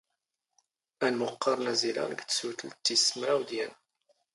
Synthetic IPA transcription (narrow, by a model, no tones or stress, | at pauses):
ænmʊqːɑɾˤnæziɾɑ̰ɾɡt͡sːsuθəlt̪ːismɾawd̪jæn